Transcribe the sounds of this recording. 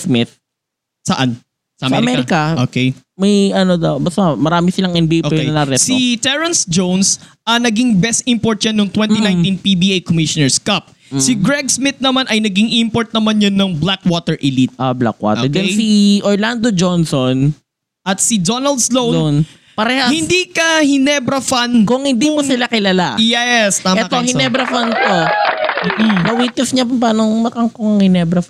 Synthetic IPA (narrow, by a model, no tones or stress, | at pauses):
smɪt̪̚ | sɐʔan | sɐʔɐmɐɐmɛɾɪkɐʔokɛjmɐjɐnod̪ɐbɐsɐmɐɾaːmɪsɪlɐŋʔɛnbioɛɐnɐɾɛsit̪ɛɹɐnsd͡ʒownsʔɐnɐɡɪŋbɛst̪̚ʔɪmpoɹt̪̚jɐnːoŋt̪wɛnt̪inãj̪̃t̪inpibiʔejkomɪʃʊnɛɹskɐp̚ | sɪɡɹɛɡ̚smɪt̪̚nɐmanʔɐjnɐɡiŋʔɪɪmpoɹt̪̚nɐmanjonːɐŋblakwot̪ɛɹʔɪlit̪̚ʔabla̰kwa̰tʔ̪d͡ʒɛnsiʔoɹland̪od͡ʒonson | ʔɐt̪̚sɪd̪onɐld̪slownon | pɐɾɛhɐhɪnd̪ikɐhɪnɛbɾɐfankʊŋhɪnd̪imosɪlakɪlalajɛst̪aːmɛt̪ohɪnɛbɾɐfant̪o | bɐwit̪ɪfɲapʊp̬aːnoŋmɐkɐŋkoŋɐŋhɪnɛbɾɐf